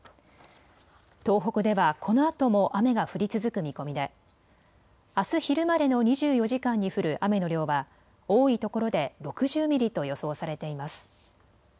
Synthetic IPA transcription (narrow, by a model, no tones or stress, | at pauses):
t̪o̞ːɦo̞kɯ̟d̪e̞βakʰo̞no̞at̪o̞mo̞ʔame̞ɡaɸɯ̟ɾʲit͡sɨzɨkɯ̟mʲiko̞mʲid̪e̞ | asɨçiɾɯ̟maɾe̞no̞ɲ̟iʑɨːjo̞ʑikãɲ̟ːiɸɯ̟ɾɯ̟ʔame̞no̞ɾʲo̞ːβa | oːit̪o̞ko̞ɾo̞d̪e̞ɾo̞kɯ̟ʑɨːmʲiɾʲit̪o̞jo̞so̞ːsaɾe̞t̪e̞imasɨ̥